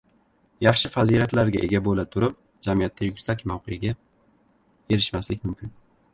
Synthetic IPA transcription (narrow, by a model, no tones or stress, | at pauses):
jɑχʃɪfaziɾat̪laɾɡʲa̰ʔe̞ɡʲabolat̪ʰʊɾɪp̚ | d͡ʒamijat̪ʰːajʊkʲsakʲmawqʰejaɡʲa | e̞ɾɪʃmaslɪkʲmʊmkʲʰɪn